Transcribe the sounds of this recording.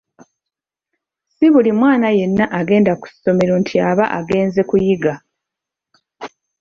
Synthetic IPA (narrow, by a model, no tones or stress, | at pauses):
siβulimwaːnaje̞nːaʔaɡe̞ːndaku̥so̞me̞ɾontʰiaβaʔa̰ɡe̞ːnze̞kujiɡa